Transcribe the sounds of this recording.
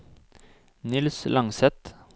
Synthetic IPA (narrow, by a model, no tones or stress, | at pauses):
nɪlslʔɑŋsɛt̪